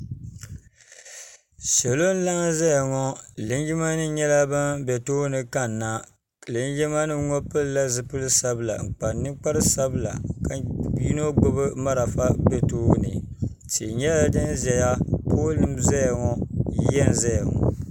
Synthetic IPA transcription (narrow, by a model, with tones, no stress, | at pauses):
sɛ˨lo˦n̩˦la˦ŋ˦za˦ja˨ŋɔ˦lɨ˨˦n˦ɡi˦ma˦nɨ˦ɲɛ˦la˦ba˦mbɛ˨toː˦nɨ˨ka˦nː˨a˦˨ | lɨ˦n˦d͡ʒi˦ma˦nɨ˦ŋɔ˦pɨ˦lla˦zɨ˨pɨ˦lɨ˦sa˦bɨ˦la̰˨ŋ͡m̩˨k͡pa˨nːɨ˦k͡pa˦ɾɨ˦sa˦bɨ˦la̰˨ka˨˦i˦no˦ɡo˦βɨ˦ma˦ɾa˨fa˦bɛ˦toː˦nɨ̰˨ | t͡ʃi˨ɲɛ˦la˦dɨ˦nzɛ˨ja˦poː˦lɨ˦mza˦ja˨ŋɔ˦i˦jɛ˦n˨za˦ja˨ŋɔ̰˨